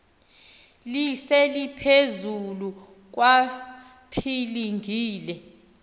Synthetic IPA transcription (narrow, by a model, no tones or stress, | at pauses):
lisɛlipʰezulu | k̬wa | pʰiliŋʱiːlɛ